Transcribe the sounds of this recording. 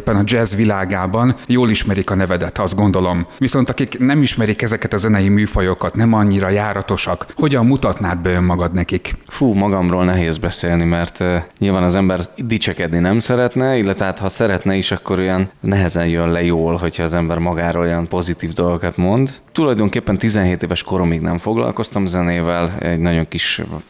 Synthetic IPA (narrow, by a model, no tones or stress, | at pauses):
pːɛnɒd͡ʒɛzʋilaːɡaːbɒnjoːliʃmɛɾikɒnɛvɛd̪ɛt̪ːɒszd̪ɡo̞nd̪o̞lo̞mʋiso̞nt̪ɒkiknɛmiʃmɛɾikɛzɛkɛt̪ɒzɛnɛjimyːfɒjo̞kɒt̪nɛmɒɲːiɾɒjaːɾɒt̪o̞ʃɒkho̞ɟɒmːut̪ɒt̪naːd̪̚bɛjømmɒɡɒd̪nɛkikfuːmɒɡɒmroːlnɛɦeːzbɛseːlnimɛrt̪ːɲilvaːnɒzɛmbɛrd̪it͡ʃɛkɛd̪ninɛmsɛɾɛt̪nɛilːɛt̪ʋɛɦaːt̪hɒsɛɾɛt̪nɛiʃɒkːo̞ɾojɒnnɛɦɛzɛnjønlɛjoːlɦo̞chɒːzɛmbɛrmɒɡaːɾoːlojɒnpo̞zit̪iːvd̪o̞lɡokɒt̪mo̞nd̪t̪ulɒjd̪o̞ŋkeːpːɛnt̪izɛnɦeːt̪eːvɛʃko̞ɾomiːɡnɛ̰ɱfoɡlɒ̰lko̞st̪ɒmzɛneːvɛlɛ̰ɟnɒɟo̞ŋkiʃb